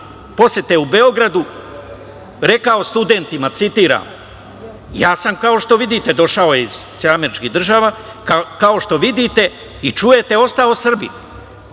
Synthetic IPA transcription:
po̞set̪eube̞o̞ɡɾad̪u | ɾe̞kao̞st̪ud̪e̞nt̪imat̪sit̪iːɾa̰ːm | jaːsamkao̞ʃt̪o̞ʋid̪it̪e̞d̪o̞ʃaojeiz̥sameɾit͡ʃkiɦd̪r̩ʒaʋa | kakao̞ʃt̪o̞ʋid̪it̪e̞ | it͡ʃuje̞t̪e̞o̞st̪aːlo̞sr̩bḭ

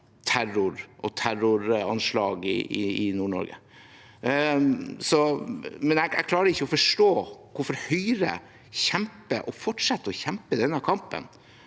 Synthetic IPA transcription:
t̪ʰæɾʊɾʔɔt̪ʰæɾʊɾɑnʂlɑːɡɪ̰ɪɪnuːɳɔ̰ɾɡə̰ | sɔmɛnæɡæ̰ɡklɑːɾəɪçːəɔfɔʂʈoːkʰʊɾfɔɾhœʏɾə̰ | çɛmpəʔɔfɔʈʂɛt̪ːəɔçɛmpəd̪ɛnːəkʰɑmpə̰n

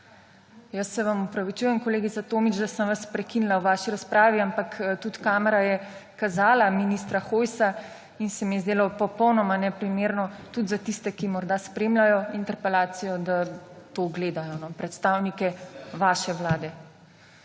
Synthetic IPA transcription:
jɐsːɛʋamɔpɾaʋit͡ʃujɛmkɔleːɡit̪sat̪oːmit͡ʃd̪asəmʋaspɾɛkinilawʋaːʃiɾaspɾaːʋiampakt̪ut̪kaːmɛɾajɛkazaːlaminist̪ɾaxoːjsa | insɛmijɛzd̪eːlapɔpɔwnɔmanɛpɾimeːɾnɔt̪ud̪zat̪ist̪ɛkimɔɾd̪aspɾeːmlajɔint̪ɛɾpɛlaːt̪sijɔd̪at̪oɡleːd̪ajɔnɔpɾɛt̪st̪aːwnikɛʋaːʃɛʋlaːd̪ɛ

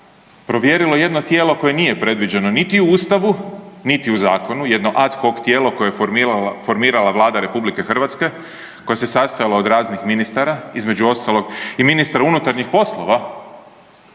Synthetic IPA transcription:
pɾo̞ʋje̞ɾilo̞je̞d̪no̞t̪jeːlo̞ko̞je̞niːje̞pɾe̞d̪ʋid͡ʑe̞no̞nit̪iuuːst̪aʋunit̪iuzaːko̞nuje̞d̪no̞ʔad̪xo̞kt̪jeːlo̞ko̞jefoɾmiːɾalaʋlˠaːd̪aɾe̞publike̞xr̩ʋat̪ske̞ | ko̞jase̞sast̪ajalaod̪ɾaːznixminist̪aɾaizme̞d͡ʒuo̞st̪alˠo̞ɡiminist̪aɾaunut̪aɾɲixpo̞slˠo̞ʋa

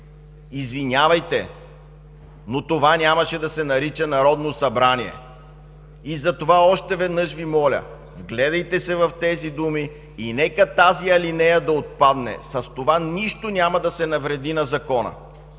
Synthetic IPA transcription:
izvinʲavɐjt̪ɛ | not̪ovanʲamɐʃɛd̪ɐsɛnɐɾit͡ʃənɐɾɔd̪nosɐbɾaniɛ̰ | izɐt̪ovaɔʃt̪ɛvɛd̪nɤʃvimɔlʲə̰ | vɡlɛd̪ɐjt̪ɛsɛvɐft̪ɛzid̪umiː | nɛkət̪aziɐlinɛjɐd̪ɐot̪̚pad̪nɛ̰sɐst̪ovaniʃt̪onʲamɐd̪ɐsɛnɐvɾɛd̪inɐzɐkɔnɐ̰

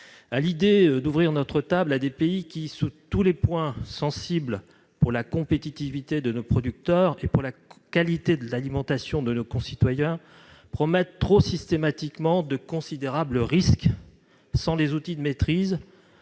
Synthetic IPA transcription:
alid̪ed̪uvʁiʁnɔt̪χət̪ablad̪epeikʲisut̪ulepwɛ̃sɑ̃sibl | puʁlakɔ̃pet̪it̪ivit̪ed̪ənopχɔd̪yk̚t̪œʁepuʁlakalit̪ed̪əlalimɑ̃t̪asjɔ̃d̪ənokɔ̃sit̪wajɛ̃ | pχɔmɛt̪ːχosist̪emat̪ikmɑ̃d̪əkɔ̃sid̪eʁabləʁisk | sɑ̃lezut̪id̪əmet̪χiz

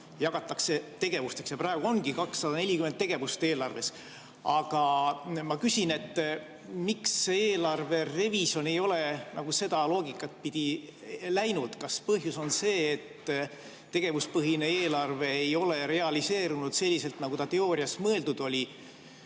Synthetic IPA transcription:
jɑɡ̥ɑt̪ːˑɑkse̞t̪e̞ɡ̥e̞vust̪e̞ksjɑprɑˑe̞ɡ̥uo̞ŋɡ̥ikɑksːɑd̪ɑne̞lʲikyment̪̚ːe̞ɡ̥e̞vust̪e̞ːlɑrve̞s | ɑɡ̥ɑmɑkysʲine̞t̪ː | mikseeːlɑrve̞re̞visjo̞ne̞jo̞le̞nɑɡ̥use̞d̪̥ɑlo̞ːɡikːˑɑt̪̚pid̪̥ilæjnud̪̥kɑspɤɦjuso̞nse̞ːt̪ː | e̞ɡ̥e̞vuspɤɦineeːlɑrve̞ːjo̞le̞ɾe̞ɑlise̞ːɾunud̪̥se̞lʲːise̞lt̪nɑɡut̪ɑt̪e̞o̞ːɾiɑsmɤeld̪ud̪̥o̞lʲi

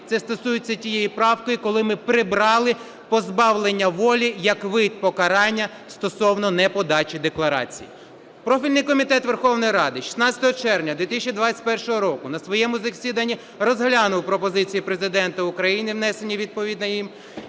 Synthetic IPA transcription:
t̪sɛst̪ɔsujɪt͡sʲːɐtʲijejipɾɑwkɔjikɔlˠɪmɪpɾɪbɾɑlˠɪ | pɔzbɑwlˠenʲːɐʋɔlʲijɐkʋɪd̪̚ʲpɔkɐɾɑnʲːɐ | st̪ɔsɔwnɔnɛpɔd̪ɑt͡ʃʲid̪eklˠɐɾɑ̰t͡sʲḭji | pɾɔfʲilʲnɪjkɔmʲit̪ɛt̪ʋerxɔwnɔjiɾɑd̪ɪʃʲi̥snɑt͡sʲɐ̥t̪ɔɦɔt͡ʃɛrʋnʲɐd̪ʋʲit̪ɪsʲt͡ʃʲid̪ʋat͡sʲːɐ̥t̚ʲpɛrʃɔɦɔɾɔkʊnɐsʋɔjɛmʊzɐsʲid̪ɐnʲːi | rɔzɦlʲɑnʊwpɾɔpɔzɪt͡sʲijipɾe̞zɪd̪ɛnt̪ɐʊkɾɐjinɪwnɛsenʲːiʋʲid̪̚pɔʋʲid̪nɐjim

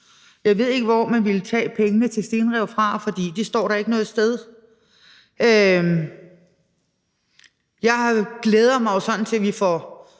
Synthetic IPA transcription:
jɑ̈ɪʋe̝ð̞̰ˠe̝ɡ̥əʋɒmænʋilt͡sʰɛ̰ːpʰeŋənət͡sʰe̝sd̥eːnʁɛʊ̰fʁɑ̈fɒ̽d̥ḭːd̥isd̥ɒ̰ːɾ̥ɑ̈e̝ɡ̥ənɔ̽ːð̩ˠsd̥eð̞ˠ | ʔø | jɑ̈ɪhɑɡ̥leːð̞ˠɐmɑ̈ɪo̝sɒ̽nn̩t͡sʰe̝ʋifɒ

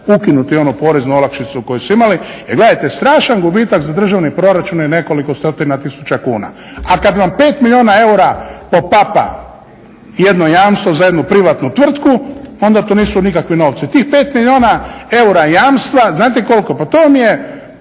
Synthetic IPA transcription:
ukinut̪io̞nupo̞ɾeznuolˠakʃit̪suko̞jesuimalijeɡle̞d̪ajt̪est̪ɾaːʃanɡubiːt̪aɡzad̪r̩ʒaʋnipɾo̞ɾat͡ʃunjene̞ko̞likost̪ot̪inat̪isu̥t͡ɕakuːna̰ | akad̪ʋampe̞ːt̪milʎʲjio̞ːnae̞uɾapo̞papa̰ | je̞d̪nojaːmst̪ʋozaje̞d̪nupɾiʋat̪nut̪ʋr̩t̪kuo̞nd̪at̪oniːsunikakʋino̞ʋt̪sit̪iːxpe̞ːt̪miʎʲjoːnae̞uɾajaːmst̪ʋaznaːt̪eko̞lko̞pat̪oːmije̞

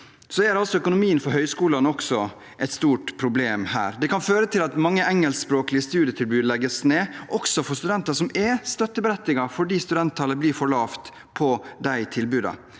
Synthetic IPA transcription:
sɔæɾɑlsɔœkʊnʊmiːənfɔɾɦœʏskuːlɑnɔksɔ | ʔɛɪt̪st̪uːʈpʰɾʊbleːmhæ̰ːɾd̪ɛkʰɑnføːɾət̪ʰɪlɑt̪mɑŋːəʔɛŋːəlsspɾoːklɪəst̪ʉːd̪jət̪ʰɪlbʉːd̪lɛɡːəsneːʔɔksɔfɔɾst̪ʉd̪ɛnt̪ɑʂɔmɛst̪œt̪ːəbɛɾɛt̪ːɪɡɑfɔɖiːst̪ʉd̪ɛnt̪ʰːɑləbliːɾfɔɭɑːft̪ | pʰɔd̪æɪt̪ʰɪlbʉːd̪ɑ̰

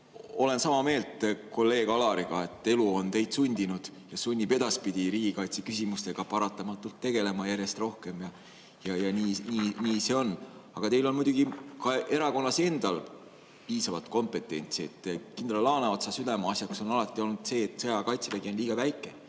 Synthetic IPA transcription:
o̞le̞nsɑmɑme̞ːlt̪ko̞lːe̞ːɡ̥ɑlɑɾiɡ̥ɑe̞t̪ːˑe̞luo̞nt̪e̞jd̪̥sunʲd̪̥inud̪̥jɑsunʲːipe̞d̪̥ɑspid̪̥iɾiːɡ̥ikɑjt̪sikysʲimust̪e̞ɡ̥ɑpɑɾɑt̪ːˑɑmɑt̪ːˑult̪ːe̞ɡ̥e̞le̞mɑjæɾje̞st̪ro̞hke̞mjɑ | jɑjɑniːniːniːse̞o̞nɑɡ̥ɑt̪e̞jlo̞nmujd̪̥uɡ̥ikɑe̞ɾɑko̞nːɑse̞nd̪̥ɑl | piːsɑvɑt̪ko̞mpˑe̞t̪ːˑe̞̰nʲt̪siet̪ːkind̪lɑlɑːneot̪sɑsyd̪ɑmɑɑsjɑkso̞nɑlɑt̪ːˑio̞lnud̪̥se̞ːt̪ːˑsejɑkɑjt̪seveɡionliːɡ̥ɑvæjkːˑe̞

